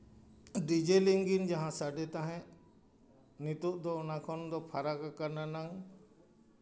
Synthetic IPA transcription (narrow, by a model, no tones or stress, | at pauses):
ɖid͡ʒeliŋɡind͡ʒaɦãsaɖɛt̪ãɦɛ̃ | nit̪uʔd̪ɔɔnakʰɔnd̪ɔpʰaɾakakaɾnanaŋ